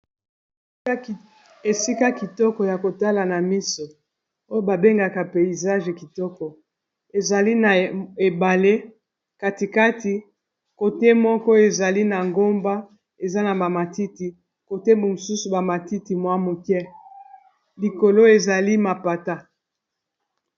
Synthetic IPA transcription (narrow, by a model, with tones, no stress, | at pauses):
e˨si˦ka˦ki˨tɔ˦kɔ˨ja˨ko˨ta˦la˨na˨mi˦so˨ | o˦jo˦ba˨be˦ŋɡa˨ka˨pe˨i˨za˦ʒe˨ki˨tɔ˦kɔ˨ | e˨za˨li˦na˨e˨ba˨le˦ | ka˦ti˨ka˦ti˨ | ko˨te˦mɔ˦kɔ˦e˨za˨li˦na˨ŋɡo˦mba˦ | e˨za˦na˨ba˨ma˨ti˦ti˨ | ko˨te˦mbo˨mo˨su˦su˨ba˨ma˨ti˦ti˨mwa˦mo˨kɛ˦ | li˨ko˨lo˦e˨za˨li˦ma˨pa˨ta˦